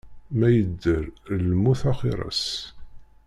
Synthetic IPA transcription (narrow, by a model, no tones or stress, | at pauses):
mæjəd̪ːəɾlmuθɑχiɾˤɑ̰s